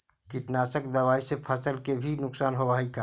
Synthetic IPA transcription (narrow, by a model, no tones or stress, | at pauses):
kɪt̪naːsəkd̪ɐwaːisepʰəsəlkebʱinʊksaːnɦoʋaːikaː